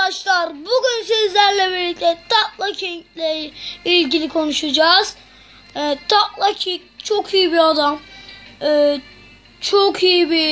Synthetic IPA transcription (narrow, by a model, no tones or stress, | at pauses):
aʃlˠaɾbuɟyns̬øzlʲæɾlʲɛbiɾlʲic̚t̪ʰɛt̪ʰak̚lˠacʰinclʲɛilʲɟilʲikʰo̞nuʃad͡ʒaːz̥ | t̪ʰaklˠacʰikt͡ʃʰokʰijibiad̪am | ɯː | t͡ʃʰokʰijibi